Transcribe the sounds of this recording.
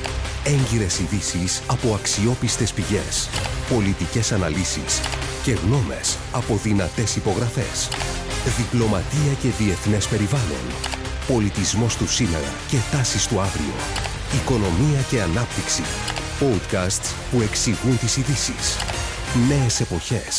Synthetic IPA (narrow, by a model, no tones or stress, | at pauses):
e̞ɲɟiɾe̞siðisisɐpo̞ɐksio̞pist̪e̞spiʝe̞spo̞lit̪ice̞sɐnɐlisḭsce̞ɣno̞me̞̰s | ɐpo̞ðinɐt̪e̞sipo̞ɣɾɐfe̞̰s | ðiplo̞mɐt̪iɐce̞ðie̞θne̞spe̞ɾivɐlo̞̰n | po̞lit̪izmo̞st̪usine̞̰ɾɐ̰ce̞t̪ɐsist̪uɐvɾḭo̞̰ | iko̞no̞miɐce̞ɐnɐp̚t̪iksḭpo̞d̪kɐst̪s | pue̞ksiɣunt̪isiðisḭs | ne̞ese̞po̞çe̞s